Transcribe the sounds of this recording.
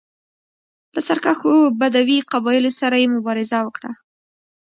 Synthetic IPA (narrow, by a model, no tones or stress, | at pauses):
pəsaɾkaxobad̪awiqabɑjɪlosaɾajemʊbɑɾɪzawəkɽa